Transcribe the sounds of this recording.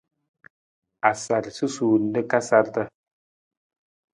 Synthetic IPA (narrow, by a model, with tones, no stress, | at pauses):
a˨sa˨ɾsɨ˦su˨n̩˦də˦ka˦sa˦ltə˦